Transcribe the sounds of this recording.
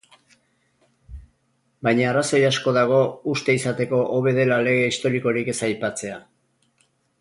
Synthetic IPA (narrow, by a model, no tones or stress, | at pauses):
bajɲaːraso̞jasko̞ðaɣ̞o̞ust̪e̞isat̪e̞ko̞ʔoβe̞ð̞e̞lale̞ɣ̞e̞ist̪o̞ɾiko̞ɾike̞sajpat͡se̞a